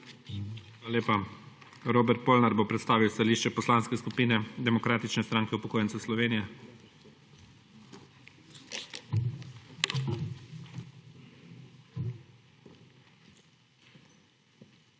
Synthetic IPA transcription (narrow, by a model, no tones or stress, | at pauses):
alaleːpa | ɾoːbɛɾt̪̚poːlnaɾbopɾɛt̪st̪aːʋiwst̪aliːʃt͡ʃɛpɔslaːnskɛskupiːnɛd̪ɛmɔkɾaːt̪it͡ʃnɛst̪ɾaːŋkɛupɔkoːjɛntsɛslɔʋeːnijɛ